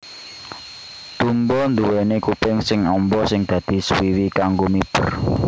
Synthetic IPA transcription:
d̪̥ṳmbɔnd̪uwɛnekupɪŋsɪŋɔmbɔsɪŋd̪̥ä̤d̪̥i̤swiwikaŋɡomib̥ər

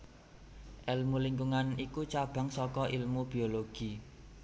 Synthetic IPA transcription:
ʔɛlmuliŋɡuŋanikut͡ʃab̥a̤ŋsɔkɔʔilmub̥i̤oloɡ̥i

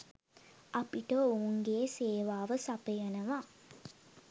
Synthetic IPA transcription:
apiʈəouŋɡeːseːʋaːʋəsapəjənəʋa

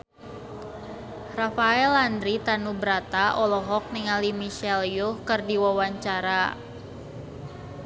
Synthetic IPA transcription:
rafaɛland̪ɾit̪anubəɾat̪aʔɔlɔɦɔk̚niŋalimiʃɛljʊhkɨrdiwawaɲt͡ʃaɾa

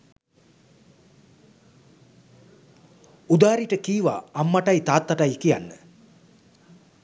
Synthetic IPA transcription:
ud̪aːɾiʈəkiːʋa̰ːmːaʈajt̪aːt̪ːaʈajkija̰nːə

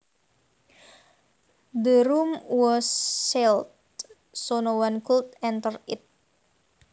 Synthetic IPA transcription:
dəɾumwɔsːelt̪ | sonowankult̪ɛnt̪ərit̪̚

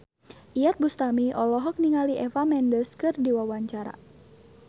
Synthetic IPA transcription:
ʔijat̪̚bust̪amiʔɔlɔɦɔk̚niŋaliʔɛfamɛndəskɨrdiwawaɲt͡ʃaɾa̰

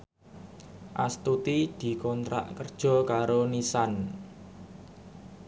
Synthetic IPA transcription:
ʔa̰st̪ut̪id̪̥i̤kɔnt̪ɾa̰ʔkərd̥ʒ̥ɔ̤kaɾonisan

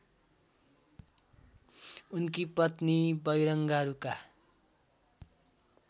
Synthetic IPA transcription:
unkipʌt̪nibʌjɾʌŋɡaɾuka

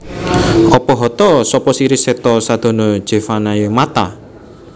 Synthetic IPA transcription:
ʔɔpɔɦɔt̪ɔsɔpɔsiɾisɛt̪ɔsad̪̥ɔ̤nɔ̥ʒ̥e̤fanajəmat̪a

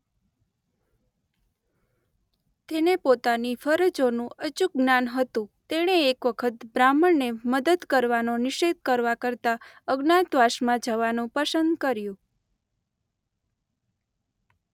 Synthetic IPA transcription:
t̪enepot̪anifəɾəd͡ʒonũət͡ʃuk̚ɡnanɦət̪ũt̪eɽ̃eːkʋəkʰət̪bɾaməɳneməd̪əd̪kəɾʋanonɪʃed̪̚kəɾʋakəɾt̪a | əɡnad̪ʋaʃmãd͡ʒəʋanũpəsənd̪kəɾjũ

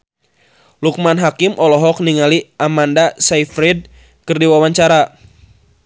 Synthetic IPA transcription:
luk̚manɦakimʔɔlɔɦɔk̚niŋaliamandasaifɾɛd̚ | kɨrdiwawaɲt͡ʃaɾa

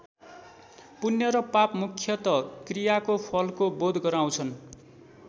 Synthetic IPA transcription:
punːjʌɾʌpapmukʰːjʌt̪ʌkrijakopʰʌlkobod̪ʱɡʌɾaw̃t͡sʰʌn

